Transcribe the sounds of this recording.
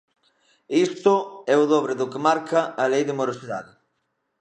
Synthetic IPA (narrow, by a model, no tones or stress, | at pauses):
ist̪ʊɛʊðɔβɾɪðʊkɪmaɾkʰɐɐlejðɪmoɾosiða̰ðɪ